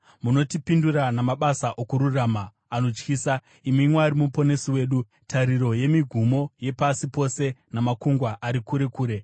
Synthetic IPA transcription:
muno̞tipinduranamaɓasaʔokuɾuraːma | ano̞t͡ʃkiːsa | imimweaɾimupo̞ne̞siwe̞ːɗu | tʰaɾiɾo̞je̞miɡʱumo̞je̞pasipo̞se̞namakuŋɡwaʔaɾikuɾe̞kuːɾe̞

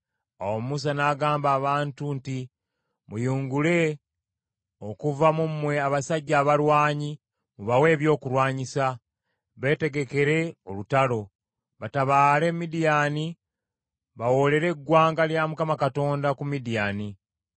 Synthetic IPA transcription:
awomumus̬anaːɡaːmbaːβaːntunti | mujuːŋɡule̞ | o̞kuvamumːwe̞aβasaɟːaːβalwaːɲi | muβawe̞ːβjo̞ːkuɾwaːɲisa | βe̞ːte̞ɡe̞ke̞ɾe̞o̞lutalo̞ | βataβaːle̞mːidijaːni | βawo̞le̞ɾe̞ɡːwaːŋɡaljamukamakato̞ːndakumidijaːni

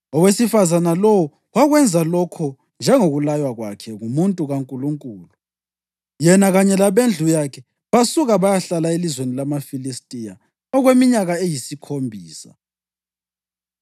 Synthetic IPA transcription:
ɔwesifazanalɔwɔ | waɣwɛnd͡zʱalɔkʰɔ | nd͡ʒʱɛŋoɣulajwaɣwa̰kʰɛŋumuntʼuɣaŋkʼuluŋkʼuːlu | jɛnaɣaɲɛlaβend͡ɮʱujakʰɛ | βasuɣaβajaɬalaelizwenilamafilistʼija̰ | ɔɣwemiɲaɣaejisikʰombʱiːsa̰

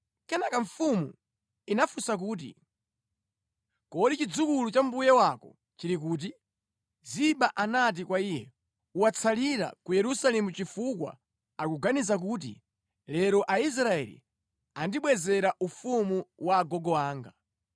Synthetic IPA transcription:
kɛnakaɱ̩fumṵ | inafusak̬uːt̬ḭ | kɔɗit͡ʃid͡zukulut͡ʃam̩bujɛwakɔ̰ | t͡ʃiɾik̬uːt̬i | ziɓaʔanat̬ikwaiːjɛ | uwat͡sʰaliɾa̰kujɛɾusalɛmut͡ʃifukwa̰ | akuɡanizak̬uːt̬ḭ | lɛɾɔʔais̬ɾaɛ̰lḭ | andiɓwɛzɛɾaʔufumuwaːɡɔɡɔwaːŋɡa

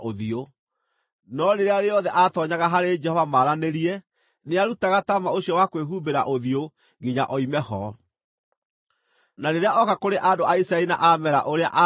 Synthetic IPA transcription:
ʔoðio | nɔneɾeaɾeɔðɛʔatɔɲaɣaɦaɾed͡ʒɛhɔvamaːɾaneɾiɛ | neaɾutaɣatamaoɕiɔwakweɦuːbeɾaʔoðio | ɡiɲaʔɔimɛhɔ̰ | naneɾeaɔkakoɾeʔandoʔaisɾaɛɾina̰ʔamɛɾa̰ʔoɾea̰ʔa

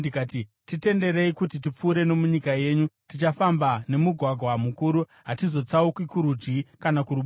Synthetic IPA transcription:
ikaːti | tite̞nde̞ɾe̞ikut̬it̬ip͡fuːɾe̞no̞muɲikaje̞ːɲutit͡ʃafambane̞muɡʱwaɡʱwamukuɾu | ɦatizo̞t͡saukwikuɾud͡ʒɡikanakuɾuɓ

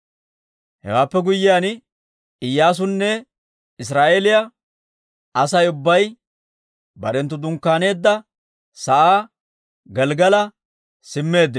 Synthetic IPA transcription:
hɛ̰waːpːɛɡʊjːɪjaːn | ɪjːaːs̬ʊnːɛ | ɪs̬ɾaːʔeːlɪjɐ | ɐsɐjʊbːɐj | bɐɾɛnt̪ːʊd̪ʊŋkːaːne̞ːd̪ːɐ | sɐʔaː | ɡɛlɡɐlɐ | sɪmːe̞ːd̪ːɪ

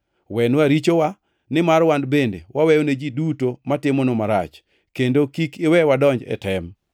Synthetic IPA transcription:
wɛnwaɾit͡ʃowa | nɪmaɾwandbendewawɛjoned͡ʒidutomatɪmonomaɾa̰t͡ʃ | kendokikɪwɛwadɔɲd͡ʒɛ̰tɛm

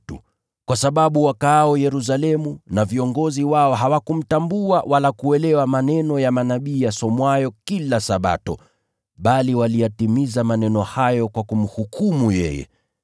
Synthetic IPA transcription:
tṵ | kwasaɓaɓuwakaːɔjɛɾus̬alɛmunaviɔŋɡɔziwaɔɦawakum̩tambuawʔalakuɛlɛwamanɛnɔjamanaɓiːjasɔmwajɔkilasaɓa̰tɔ | ɓaliwalijatimizamanɛnɔhajɔkwakum̩hukumujɛ̰jɛ̰

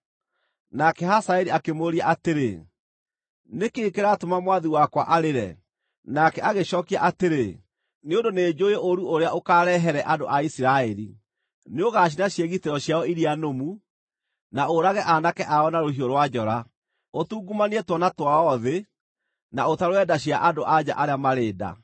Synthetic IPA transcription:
nakɛhasaɛɾiakemoɾiaʔateɾe | nekeːkeɾaːtomamwaðiwakwa̰ʔaɾeɾɛ̰ | nakɛaɣeɕɔːkia̰ʔateɾe | neondoneːd͡ʑojeʔoɾuoɾeaʔokaɾɛɦɛɾɛʔadoʔaisiɾaɛɾḭ | neoɣaːɕ̬inaɕjeɣitɛɾɔɕjaɔiɾianomu | naoɾaɣɛʔanakɛʔaɔnaɾoɦioɾwad͡ʑɔɾa | otuːɡumaniɛtwɔnatwaɔðe | naotaɾwɛdaɕ̬iaʔadoʔad͡ʑa̰ʔaɾeamaɾeːda̰

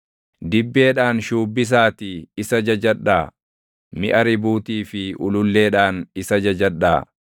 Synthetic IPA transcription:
d̪ɪbːeːᶑaːnʃuːbːɪs̬aːt̪ɪɪsɐd͡ʒɐd͡ʒɐᶑːaː | mɪʔɐɾɪbuːt̪iːfɪʔʊlʊlːe̞ːᶑaːnɪsɐd͡ʒɐd͡ʒɐᶑaː

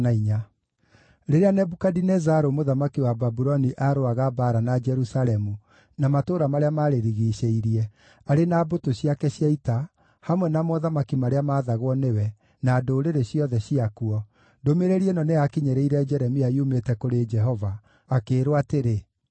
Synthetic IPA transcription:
naiɲa | ɾeɾeanɛbukadinɛzaɾomoðamakiwababuɾɔniʔaɾoaɣabaɾanad͡ʒɛɾusalɛmu | namatoːɾamaɾeamaːɾeɾiɣiɕeiɾiɛ | aɾenaːbotoɕiakɛɕjaita | hamwɛnamɔðamakimaɾeamaːðaɣwɔnewɛ | nadoɾeɾeɕiɔðɛɕiakuɔ | ndomeɾeɾiɛnɔneakiɲɛɾɛiɾɛd͡ʒɛɾɛmiaiumetɛkoɾed͡ʒɛɦɔvaː | keːɾoateɾe

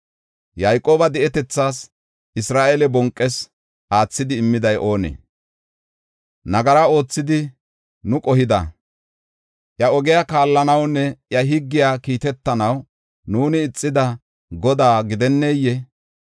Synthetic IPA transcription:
jɐjkʼo̞ːbɐd̪ɛɛt̪ɛt͡sːaːs | ʔɪsɾaːʔelɛbɔŋkʼːɛs | aːt͡sːɪd̪ɪːmːɪd̪ɐjʔo̞ːnɛ̰ | nɐɡɐɾɐo̞ːt͡sːɪd̪ɪ | nʊkʼɔhɪd̪ɐ̰ | ʔjɐɔɡɛjakaːlːɐnɐwnːɛʔjɐɦɪɡːɪjaːkiːt̪ɛt̪ːɐnɐw | nuːnɪːt͡sʼːɪd̪ɐ | ɡɔd̪aːɡɪd̪ɛnːeːjːɛ

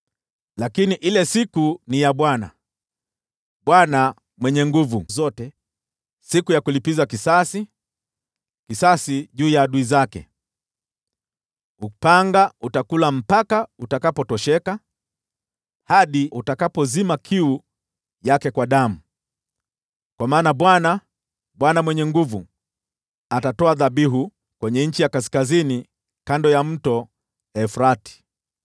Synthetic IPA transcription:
lakiniʔilɛsikunijaɓwana̰ | ɓwana | mwɛɲɛŋɡuvuzɔtɛ | sikujakulipizakisasi | kisasiʄuːjaːɗuizakɛ̰ | upaŋɡautakulam̩pakautakapɔtɔʃɛka | haɗiutakapɔzimakʰiu | jakɛkwaɗam̩ | kwamaːnaɓwana | ɓwanamwɛɲɛŋɡuvu | atatɔaðaɓiɦu | kwɛɲɛɲ̩t͡ʃijakaskazini | kandɔjam̩tɔ | ɛfɾati̥

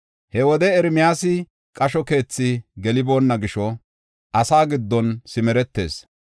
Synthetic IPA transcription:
hɛwɔd̪ɛɛɾmɪjaːsɪ | kʼɐʃɔke̞ːt͡sːɪɡɛlɪbo̞ːnːɐɡɪʃɔ | ʔɐsaːɡɪd̪ːɔnsɪmɛɾɛt̪ːe̞̰ːs

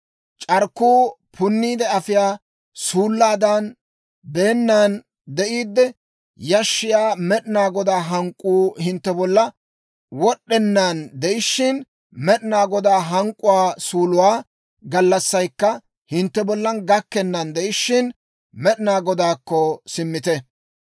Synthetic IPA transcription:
t͡ʃʼɐɾkːuːpʰʊnːiːd̪ɛɐfɪjaː | suːlːaːd̪ɐn | beːnːan | d̪ɛʔiːd̪ːɛ | jɐʃːɪjaːmɛɗɪnaːɡɔd̪aːɦɐŋkʼːuːhɪnt̪ːɛbɔlːɐ | wɔɗːɛnːand̪ɛʔɪʃːɪn | mɛɗɪnaːɡɔd̪aːɦɐŋkʼːʊwaːsuːlʊwaː | ɡɐlːɐsːɐjkːɐ | hɪnt̪ːɛbɔlːɐnɡɐkːɛnːɐnd̪ɛʔɪʃːɪn | mɛɗɪnaːɡɔd̪aːkːɔsɪmːɪt̪ɛ

